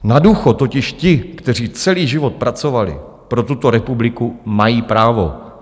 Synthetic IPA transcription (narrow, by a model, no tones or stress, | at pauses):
naduːxot̪o̞cɪʃcɪkt̪ɛr̝iːt͡sɛliːʒɪvo̞t̪̚pɾat͡so̞valɪ̰ | pɾo̞t̪ut̪o̞ɾɛpublɪkumajiːpɾaːvo̞̰